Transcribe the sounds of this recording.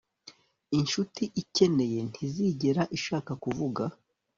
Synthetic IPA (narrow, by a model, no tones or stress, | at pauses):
inʃutiʔice̞ne̞je̞n̥ʰiziɟeɾaʔiʃaːkakuvuɡa